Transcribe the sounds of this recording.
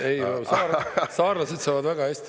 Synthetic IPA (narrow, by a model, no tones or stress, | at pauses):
ejlosɑːsɑːrlɑsed̪̥sɑːvɑd̪væɡɑhæst̪i̥